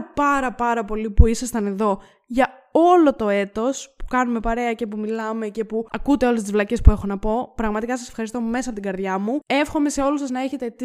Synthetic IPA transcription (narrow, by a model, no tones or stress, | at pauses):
pɐɾɐpɐɾɐpo̞lipuisɐst̪ɐne̞ðo̞ | ʝɐ | o̞lo̞t̪o̞e̞t̪o̞spu̥kɐnume̞pɐɾe̞ɐcepumilɐme̞ce̞puɐkut̪eo̞lest̪izvlɐce̞spue̞xo̞nɐpo̞pɾɐɣmɐt̪ikɐsɐse̞fxɐɾist̪o̞me̞sɐpot̪iɡɐɾðʝɐmue̞fxo̞me̞se̞o̞lusɐznɐe̞çet̪et̪i